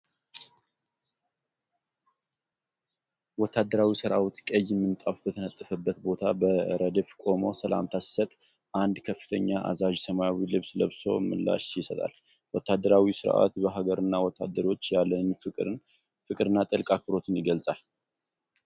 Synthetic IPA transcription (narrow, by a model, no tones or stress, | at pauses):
wɔt̪ʰːad̪ːəɾawisɨɾa̰wt̪kʼəjɛmːɨnt̪ʼafbət̪ʰənət̪ʼːəfəbːət̪bo̞t̪ʰabəɾəd̪əfkʼo̞mo̞səla̰mt̪ʰassət̪ʼ | ʔand̪kʰəfːɨ̥t̪ʰəɲːaʔa̰zaʒsəmajawilɨβsləβso̞̰mɨlːa̰ʃjɪsət̪ʼa̰l | wɔt̪ːad̪əɾawisɨɾ̰ʔa̰t̪bəɦaɡəɾɨnːawɔt̪ʰːa̰d̪əɾo̞t͡ʃːjalːəɲfɨɨ | fɨkʼɨɾɨnːat̪ʼɨlkʼak̚ɨɾo̞t̪ʰɨnjɪɡəlt͡sʼal